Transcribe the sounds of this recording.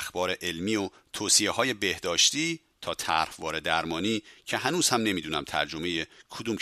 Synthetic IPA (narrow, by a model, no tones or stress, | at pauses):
xb̥ɒːɾe̞ʔelmiːo | t̪ʰoːsiehɒːje̞be̞hd̪ɒːʃt̪iː | t̪ʰɒːt̪ʰæɾhvɒːɾed̪æɾmɒːniːcʰe̞ɦænuːz̥hæmne̞miːd̪uːnæmt̪ʰæ̰ɾd͡ʒo̞mejekʰod̪uːm